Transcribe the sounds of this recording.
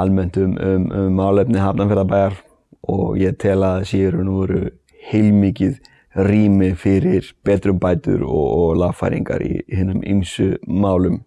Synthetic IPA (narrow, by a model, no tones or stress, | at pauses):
almɛn̥t̪ʏmʏmmːaːwlɛpnɪɦapnafɪɾðapaːjɣaɾ̥ | ɔɣjɛt̪ʰɛːlaðsjɛɾʏnʏvɔːɾʏ̰ | hejlmɪːcɪð | riːmɪfɪɾɪɾ̥pɛːt̪ɾʏmpaːjt̪ʏ̰ɾɔɣɔɣlavfa̰jɾḭŋka̰ɾḭhɪːnːʏmḭmsʏmaːwlʏm